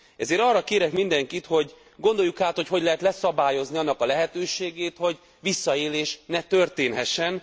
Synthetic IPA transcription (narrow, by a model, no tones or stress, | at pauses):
ɛzeːɾɒːrːɒkeːɾɛkmind̪ɛŋkit̪ho̞ɟ | ɡo̞nd̪o̞jːukaːt̪ho̞cho̞ɟlɛɦɛt̪lɛsɒbaːjo̞zniɒnːɒkɒlɛɦɛt̪øːʃeːɡeːt̪ho̞ɟ | ʋisːɒeːleːʃnɛt̪ørt̪eːnɦɛʃɛn